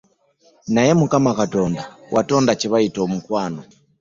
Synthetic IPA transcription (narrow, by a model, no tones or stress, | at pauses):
najɛmukamakatɔndawʔatɔndat͡ʃiβaitɔmukwanɔ